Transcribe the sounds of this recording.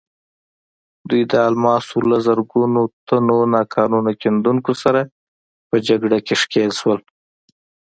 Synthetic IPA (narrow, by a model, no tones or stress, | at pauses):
d̪ujd̪əɑlmɑsulazəɾɡunot̪ʰanonɑkʰɑnunakend̪uŋkosaɾa | pəd͡ʒaɡɽakeʂkelʃwəl